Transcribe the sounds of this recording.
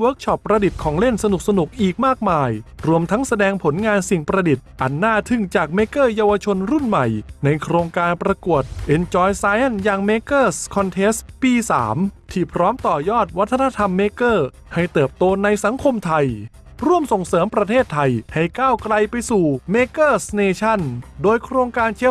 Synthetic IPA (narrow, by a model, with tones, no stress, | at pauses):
wəː˦˥k̚t͡ɕʰɔ˧˩pːɾa˧di˨˩t̪̚kʰɔː˩˦ŋle˥˩nsa˧nu˨˩k̚sa˧nu˨˩k̚ʔiː˨˩k̚maː˥˩k̚maː˧jɾu˧əmt̪ʰa˦˥ŋsa˧dɛː˧ŋpʰo˩˦nŋaː˧nsi˨˩ŋpɾa˧di˨˩t̪̚ʔa˧nːaː˥˩t̪ʰɯ˧˥˩ŋt͡ɕaː˨˩k̚meː˧˥kɤː˥˩jaː˧wa˧t͡ɕʰo˧nɾu˥˩nma˨˩jna˧jkʰɾoː˧ŋkaː˧npɾa˧ku˨˩ət̪̚ʔe˧nt͡ɕɔː˧jsaː˦˥jʔa˥˩njaː˧ŋmeː˧˥kɤː˥˩skʰɔ˧nt̪ʰe˦˥spiː˧sa̰ː˩˦mt̪ʰiː˥˩pʰɾɔː˦˥mt̪ɔː˨˩jɔː˥˩t̪̚wa˦˥t̪ʰːa˧na˧˥t̪ʰa˧mːeː˧˥kɤː˥˩ | ha˥˩jt̪ɤː˨˩p̚t̪oː˧na˧jsa˩˦ŋkʰo˧mt̪ʰa˧j | ɾu˧˥˩əmso˨˩ŋsɤː˦mpɾa˧t̪ʰeː˥˩t̪ʰːa˧jha˥˩jkaː˥˩wkɾa˧jpa˧jsuː˨˩meː˧kɤː˥˩sneː˧t͡ɕʰa˥˩ndoː˧jkʰɾoː˧ŋkaː˧nt͡ɕʰe˦˥